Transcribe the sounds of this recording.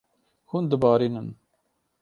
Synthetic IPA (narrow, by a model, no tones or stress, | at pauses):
hund̪ɨbɑːɾiːnən